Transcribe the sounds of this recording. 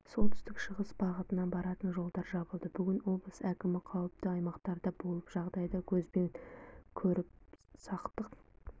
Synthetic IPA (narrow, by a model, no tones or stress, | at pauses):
so̞lˠt̪ʏst̪ɪkʃəʁəsbɑʁət̪ənɑnbɑɾɑt̪ənʒo̞lˠd̪ɑɾʒɑbəlˠd̪əbʏɡʲɪnwo̞blˠəsækʲɪmɪqʰɑwəp̚t̪əɑjmɑqt̪ɑɾd̪ɑbo̞lˠəpʒ̥ɑʁd̪ɑjd̪ɑkʲʰɵzbe̞nkʲʰɵɾɪp̚sɑqt̪əq